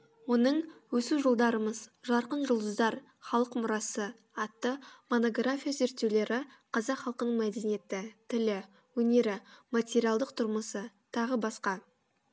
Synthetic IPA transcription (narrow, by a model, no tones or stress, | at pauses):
wo̞nəɴwɵsuʒo̞lˠd̪ɑɾəməzʒɑɾqənʒʊlˠd̪əzd̪ɑɾ | χɑlˠəqmʊɾɑsə | ɑt̪ːəmo̞no̞ɡrafʲijaze̞ɾt̪ːe̞wle̞ɾɪqʰɑzɑqχɑlˠqənəɴmæd̪e̞nije̞t̪ɪt̪ʰɪlɪ | wɵne̞ɾɪmat̪ʲe̞ɾijalˠd̪əqt̪ʰʊɾməsə | t̪ʰɑʁəbɑsqɑ